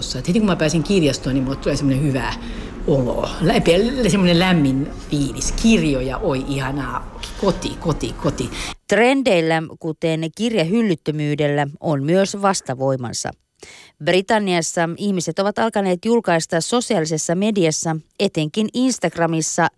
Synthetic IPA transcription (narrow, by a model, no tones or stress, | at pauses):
sːɑet̪het̪iŋkumæpæːsiŋkirjɑst̪oːnimot̪uleˑsemːonehyʋæ | olo̰læpæsemːonelæmːin | fiːliskirjojɑ̰ʔoiʔihɑnɑːkot̪ḭkot̪ikot̪it̪re̞nde̞ilːækut̪e̞nkirjɑɦylːyt̪ːømyːde̞lːæonmyøsʋɑst̪ɑʋo̞jmɑ̰nsɑ̰ | brit̪ɑnːiɑsːɑihmise̞t̪oʋɑt̪ɑlkɑne̞ːt̪julkɑist̪ɑsːo̞siɑːlise̞sːɑme̞diɑsːɑe̞t̪e̞ŋkininst̪ɑɡ̥rɑmisːɑ